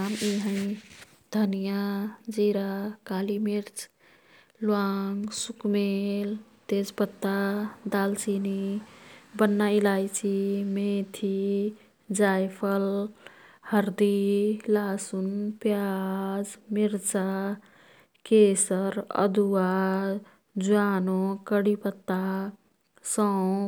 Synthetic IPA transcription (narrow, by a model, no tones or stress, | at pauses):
miɦə̃ | d̪ʱənijad͡ʒiɾakalimiɾt͡ʃ | lwaŋɡsukmelt̪ed͡ʒpət̪ːad̪alt͡ʃini | bənːailajt͡ʃʰimet̪ʰi | d͡ʒajpʰəl | həɾd̪ilaːsunpjad͡ʒmiɾt͡ʃa | kesəɾə̰d̪ua | d͡ʒuaːnokəɽipət̪ːa | sə